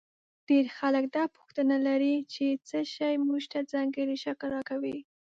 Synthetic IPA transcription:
ɖ̥eɾxaləkd̪ɑpʊ̥xt̪ənalaɾit͡ʃet͡səʃajmuʒt̪ad͡zɑŋɡəɾiʃaklɾɑkawi

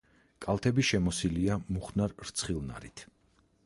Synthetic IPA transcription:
kʼalˠt̪ʰɛbiʃɛmɔsiliamuχnaɾɾt̪sʰχilˠna̰ɾit̪ʰ

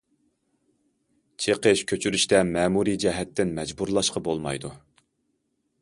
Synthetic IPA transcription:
t͡ʃʰeqəʃkʲʰøt͡ʃʰyɾyʃt̪ɛmɛːmuɾid͡ʒɛɦɛt̪ːɪnmɛd͡ʒbuɾlˠɑʃqɑbolˠmɑ̰jd̪u

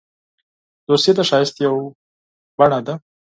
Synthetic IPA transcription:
d̪̥oɾset̪aʃɑjɪst̪jaw | b̥aɳad̪a

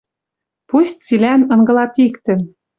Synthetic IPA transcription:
pust̪̚ʲt͡silænɤ̆ŋɡɤ̆lɑt̪ikt̪ɘ̆

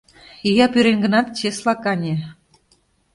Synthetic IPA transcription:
ijɑpyɾenɡənɑt̪t͡ɕeslɑkɑnʲe

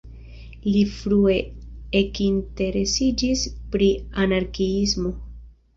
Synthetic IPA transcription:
lifɾue̞ekinte̞ɾe̞sid͡ʒispɾianaɾkiismo̞

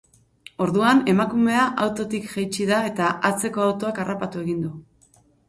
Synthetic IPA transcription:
o̞ɾðuane̞makume̞aʔawt̪o̞t̪ikʝajt͡ʃiðae̞t̪aʔat͡se̞ko̞awt̪o̞akarapat̪ue̞ɣind̪u

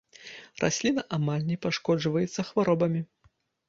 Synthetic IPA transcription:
rʔa̰sʲlʲinɐʔamalʲnʲɛpaʂkɔd͡ʐvɐjɛt̪sːɐxvaɾɔbɐmʲi

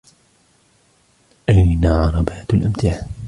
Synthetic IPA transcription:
ʔajnaʕɑɾˤɑbaːt̪alʔamt̪ɪʕa

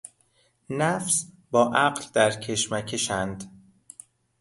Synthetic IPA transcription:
næfs | bɒːʔæɢld̪æɾcʰe̞ʃmæcʰeʃænd̪

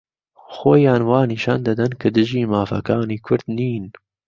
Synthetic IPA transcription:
xoːjɑːnwɑːniːʃɑːnd̪ɐd̪ɨnkʰɨd̪ɨʒiːmaːfɐ̰kɑːniːkʰʊɾd̪niːn

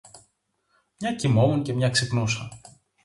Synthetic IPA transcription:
mɲɐcimomunce̞mɲɐksepnusɐ

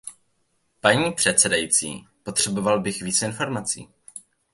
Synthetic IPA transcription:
paɲiːpr̥ɛt̪t͡sɛdajit͡sḭːpo̞t̪r̥ɛbo̞valbɪxviːt͡sɪnfo̞ɾmat͡sḭː

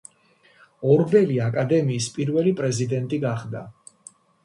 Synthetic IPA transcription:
ɔɾbɛliakʼad̪ɛmiːspʼiɾvɛlipʼɾɛzid̪ɛnt̪ʼiɡaχd̪a

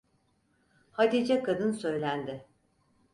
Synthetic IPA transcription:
had̪id͡ʒɛkʰad̪ɯnsø̞jlʲænd̪ɪ

